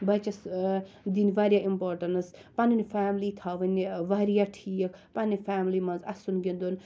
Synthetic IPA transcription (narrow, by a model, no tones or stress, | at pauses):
bɐt͡ʃɐsd̪iniʋaɾjaʔimpoːɾʈɐnspaninifaːmlit̪ʰaʋɐnʲːiʋaɾijaʈʰiəkʰpanifʰaːmlimɐnzɐsunɡind̪un